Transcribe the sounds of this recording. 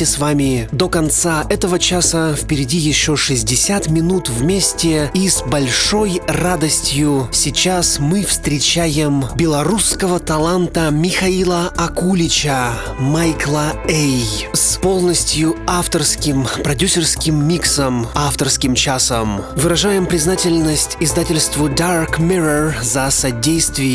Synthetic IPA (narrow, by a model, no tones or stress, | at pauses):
ɪsvamʲɪd̪okɐnt̪saʔɛt̪əvət͡ɕasəfpʲɪɾʲɪdʲijɪɕːoʂɨzʲdʲɪsʲat̪mʲɪnut̪vmʲesʲtʲɪisbɐlʲʂojrad̪əsʲtʲjʊsʲɪt͡ɕasmɨfst̪ɾʲɪt͡ɕajɪmbʲɪlˠɐɾuskəvət̪ɐlˠant̪əmʲɪxɐilˠəɐkulʲɪt͡ɕə | majklˠəejspo̞lˠnəsʲtʲjʊaft̪ərskʲɪmpɾɐdʲusʲɪrskʲɪmːʲiksəmaft̪ərskʲɪmt͡ɕasəmvɨɾɐʐajɪmpɾʲɪznatʲɪlʲnəsʲtʲɪzd̪atʲɪlʲst̪vʊd̪arkmʲiɾərzɐsɐdʲejst̪vʲɪ